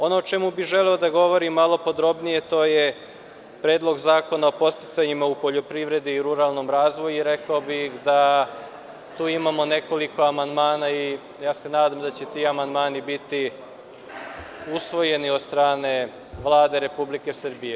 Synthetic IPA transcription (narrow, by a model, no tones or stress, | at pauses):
o̞noːt͡ʃe̞mubiʒe̞leod̪aɡo̞ʋo̞ɾimːalˠo̞po̞d̪ɾo̞bnije̞t̪o̞ːje | pɾeːd̪lˠo̞ɡzaːko̞naopo̞tst̪i̥t̪saɲimaupo̞ʎo̞pɾiʋɾe̞d̪iːɾuɾaːlˠno̞mɾaːzʋo̞juɾe̞kaobixd̪a | t̪uːimamo̞ne̞ko̞liko̞amand̪maːnai | jaːse̞naːd̪amd̪at͡ɕe̞t̪iːamand̪maːnibit̪i | usʋo̞je̞niod̪st̪ɾaːne̞ | ʋlˠaːd̪e̞ɾe̞publike̞sr̩bije